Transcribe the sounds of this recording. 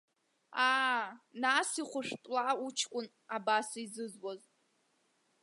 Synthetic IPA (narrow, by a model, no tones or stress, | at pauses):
aːnasiχʷʊʂpʼlaut͡ʃʰkʷʼʊn | abasizɨzwaz